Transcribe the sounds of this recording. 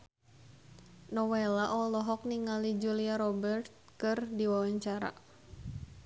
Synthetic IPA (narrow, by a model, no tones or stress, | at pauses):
nɔwelaʔɔlɔɦɔk̚niŋalid͡ʒuliaɾɔbɛrt̪̚kɨrdiwawaɲt͡ʃaɾa̰